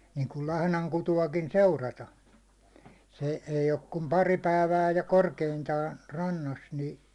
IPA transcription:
niːŋkul lɑhnɑŋ kutuɑkin seurɑtɑ se eij ok kum pɑri pæˑi̞ʋæː jɑ korkeintɑːn rɑnːɑs ni

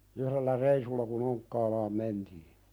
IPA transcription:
uhɾelːæ reisulːɑ kun oŋkːɑːlɑːm mentiː

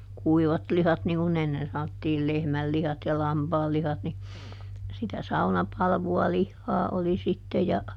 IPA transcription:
kuiʋɑtlihɑt niŋ kun enːen sɑnotːiːl lehmælːihɑt jɑ lɑmpɑːlːihɑt ni sitæ sɑunɑpɑlʋuɑ lihːɑː oli sitːe jɑ

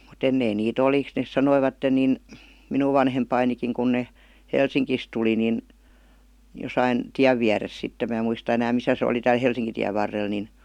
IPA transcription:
mut enːein niːt oli nes sɑnoiʋɑtːen niˑn minuʋ ʋɑnhempɑinikiŋ kun ne helsiŋkis tuli nin josɑin tiæʋ ʋiæres sitːem mæˑ muistɑ enæːm misæ se oli tæːl helsiŋkitiæʋ ʋɑrːel nin

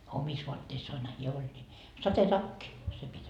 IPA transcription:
omis ʋoɑtːeisːɑːnhɑ hiæ olʲ nʲi sɑtetɑkːi se pitʲ

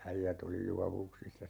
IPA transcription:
æijæt oli juɑʋuksisːɑ

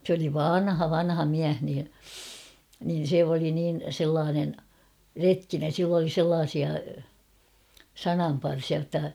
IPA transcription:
s oli ʋɑnhɑ ʋɑnhɑ miæh niː nin̞ se oli niːn̞ selːɑːnen retkinen̞ silː oli selːɑːsiɑ sɑnɑmpɑrsiɑ jotːɑ

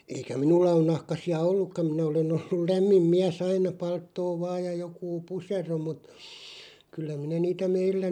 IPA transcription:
eikæ minulːɑ on nɑhkɑsiɑ olːukːɑm̆ minæ olen olːul læmːim miæs ɑinɑ pɑltːoː ʋɑːj jɑ jokuː pusero mut kylːæ minæ niːtæ meilːæ

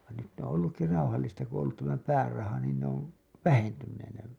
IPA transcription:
ʋɑn nyt ne on olːukːi rɑuhɑlːistɑ ku õː olːut tæmæ pæːrɑhɑ niːn ne oʋ ʋæhentynːeːn ne

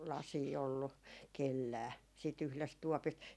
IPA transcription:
lɑsiː olːu kelːæː siːt yhlest tuɔpist

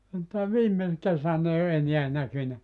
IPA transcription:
mutːɑ ʋiːme kesæn ei o eniæ nækynæ

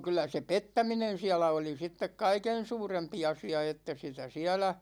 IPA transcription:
kylˑæ se petːæminen̞ siælæ oli sitːek kɑiken̞ suːrempi ɑsiɑ etːæ sitæ siælæ

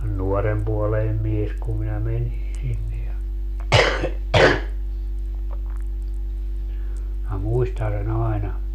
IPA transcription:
nuɔrempuoleinem mies kum minæ menin̞ sinːe jɑ minæ muistɑn̞ sen ɑenɑ

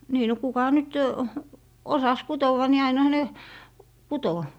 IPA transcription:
niː no kukɑ nyt osɑs kutowɑ ni ɑinɑ̆hɑ ne kuto

